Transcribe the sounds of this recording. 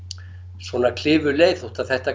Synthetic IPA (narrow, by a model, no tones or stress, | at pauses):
svɔːnakʰlɪːvʏleːjθuht̪aðθɛht̪a